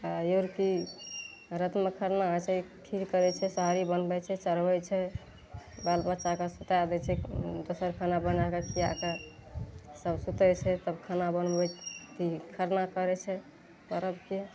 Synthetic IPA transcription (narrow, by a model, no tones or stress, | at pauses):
ajoɾki | ɾət̪mekʰəɾnat͡ʃʰɛʈʰikkəɾɛt͡ʃʰɛsəɦaɾibənbɛt͡ʃʰɛt͡ʃəɾbɛt͡ʃʰɛ | balbət͡ʃakəsut̪ead̪ɛt͡ʃʰɛd̪osəɾkʰanabənakekia̰ke | səbsut̪ət͡ʃʰɛt̪əbkʰanabənbɛt̪ikʰəɾnakəɾɛt͡ʃʰɛ | pəɾəbke